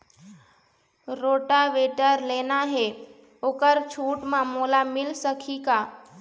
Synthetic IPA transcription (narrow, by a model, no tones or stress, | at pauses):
ɾoːʈaʋeʈəɾleːnaɦe | oːkəɾt͡ʃʰuːʈmãmolamɪlsəkʰikaː